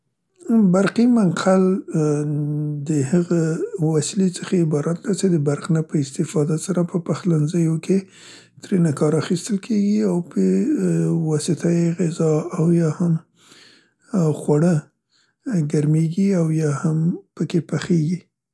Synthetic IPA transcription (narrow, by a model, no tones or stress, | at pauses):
baɾqimanqʰal | d̪əhəɣawaslet͡səxaɪbɑɾat̪̚d̪at͡ʃed̪əbaɾqnapəɪst̪ɪfɑd̪asaɾapəpaxlanzəjoke | t̪ɾenakɑɾaxist̪əlkʰeɡiawpʰə | wɑsɪt̪ʰajeɣɪzɑawjɑham | xwaɽə | ɡaɾmeɡiawjɑhampəkepaxeɡi